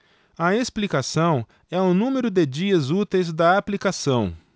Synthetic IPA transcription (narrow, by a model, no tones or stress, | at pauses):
ɐesplikasɐ̃w̃ | ɛʊnũmeɾʊd̪ɪd͡ʒiɐzut̪ejzd̪ɐaplikasɐ̃w̃